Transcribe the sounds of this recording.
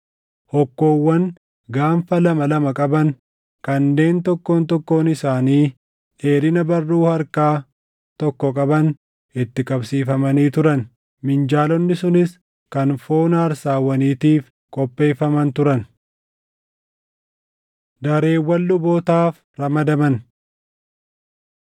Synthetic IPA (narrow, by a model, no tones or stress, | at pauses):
hɔkːo̞ːwːɐn | ɡaːnfɐlɐmɐlɐmɐkʼɐbɐn | kɐnːe̞ːnt̪ɔkːoːnt̪ɔkːo̞ːnɪsaːniː | e̞ːɾɪnɐbɐrːuːhɐɾkaː | t̪ɔkːɔkʼɐbɐn | ɪt̪ːɪkʼɐbsiːfɐmɐniːt̪ʊɾɐn | mɪnd͡ʒaːlɔnːɪsʊnɪs | kɐnfo̞ːnaːɾsaːwːɐniːt̪iːf | kʼɔpʼːe̞ːfɐmɐnt̪ʊɾɐn | d̪ɐɾe̞ːwːɐlːʊboːt̪aːf | ɾɐmɐd̪ɐmɐn